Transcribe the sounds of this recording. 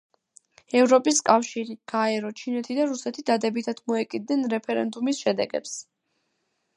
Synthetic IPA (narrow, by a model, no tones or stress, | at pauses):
ɛvɾɔpʼiskʼafʃiɾiɡ̥aɛɾɔt͡ʃʰinɛt̪ʰid̪aɾusɛt̪ʰid̪ad̪ɛbit̪ʰad̪mɔɛkʼid̪̚nɛnɾɛpʰɛɾɛ̰nd̪umisʃɛd̪ɛ̰ɡɛ̰ps